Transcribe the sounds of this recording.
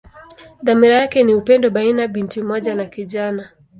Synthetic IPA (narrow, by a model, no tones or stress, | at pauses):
ðamiɾajakɛniupɛndɔɓainaɓintimɔʄanakiʄana